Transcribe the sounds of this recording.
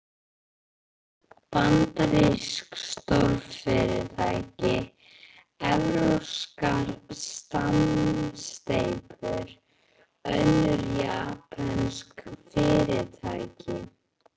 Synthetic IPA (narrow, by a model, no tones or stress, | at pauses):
pant̪ɾɪskst̪oɾfɪɾɪt̪ʰajcɪ | ɛvɾœskaɾst̪anst̪ejpʏɾ̥ | œ̰ðnʏɾjaːpʰanskfɪːɾɪt̪ʰajcʰɪ̰